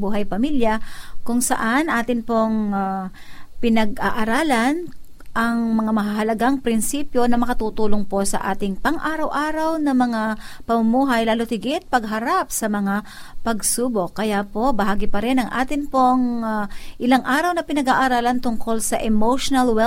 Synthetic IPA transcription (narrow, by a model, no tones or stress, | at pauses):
buːɦɐjpɐmiljɐkʊŋsɐ̰ʔanʔaːt̪ɪnpo̞ŋa | pɪnɐɡʔaʔɐɾaːlɐn | ʔɐŋmɐŋamɐɦaɦɐlɐɡaŋpɾɪnsiːpjo̞nɐmɐkɐt̪uːt̪uːloŋpo̞sɐ̰ʔa̰ːt̪ɪŋpɐŋʔaːɾɐwʔaːɾɐwnɐmɐŋapɐmʊmuːɦɐjlaːlo̞t̪ɪɡɪt̪̚pɐɡɦɐɾap̚sɐmɐŋapɐɡsuːbo̞kːɐjapo̞bɐɦaːɡɪpɐɾɛnɐŋʔa̰ːt̪ɪnpoŋ | ʔɪlaŋʔaːɾɐwnɐpɪnɐɡaːʔaɾaːlɐnt̪ʊŋko̞lsɐʔɛmowʃonɐlwɛ